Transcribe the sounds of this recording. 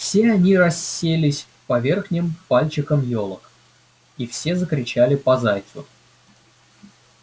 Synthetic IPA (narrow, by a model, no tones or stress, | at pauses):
fsʲeɐnʲiɾɐsʲːelʲɪsʲ | pɐvʲe̞rxnʲɪmpalʲt͡ɕɪkəmjolˠək | ifsʲe̞zəkɾʲɪt͡ɕælʲɪpɐzajt̪sʊ